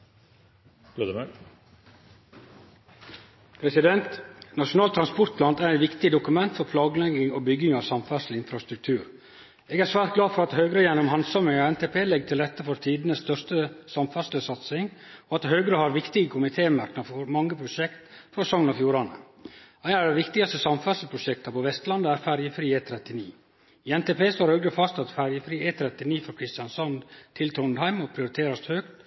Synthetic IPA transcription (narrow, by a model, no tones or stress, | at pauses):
loːd̪əme | pʰɾɛsɪd̪ɛnt̪nɑʂʊnɑːlt̪ʰɾɑnspɔɾt̪pʰlɑnt̪æɾɛt̪ʋɪkt̪ɪd̪ʊkʉmɛnt̪fɔɾpʰlɑːɡəlɛɡɪŋobʏɡɪŋɑʋsɑmfæslɪnfɾɑst̪ɾʉk̚t̪ʰʉːɾ | eːɡæɾsʋæːɾt̪̚ɡlɑːfɔɾɑt̪hœːɡɾəjɛnʊmhɑnsɑməɔɛnt̪ʰeːpʰeːlɛɡt̪ʰɪlɾɛt̪ːəfɔɾt̪ʰiːd̪nəsst̪œʂt̪əsɑmfæsləsɑt̪sɪŋɔɑt̪høːɡɾəhɑɾʋɪkt̪ɪɡəkʰʊmɪt̪ʰeːmɑɾknɑfɔɾmɑŋːəpʰɾʊʃɛkt̪fɾɔsɔŋənɔfjuːɾɑnə̰ | æɪæɾɖ̪ɛʋɪkt̪ɪɡɑst̪əsɑmfɑslpʰɾʊʃɛk̚t̪ɑpɔʋɛst̪lɑnd̪əæɾfæɾjəfɾiːeːt̪ʰɾɛt̪ːɪnḭː | iːɛnt̪eːpʰeːst̪oːɾhøːɡɾəfɑst̪ɑt̪fæɾjəfɾiːeːt̪ʰɾɛt̪ɪniːfɔɾkʰɾɪst̪ɪjɑnsɑnd̪t̪ʰɪlt̪ʰɾʊnhæɪmɔpʰɾɪʊɾɪt̪ʰeːɾɑshøːkt̪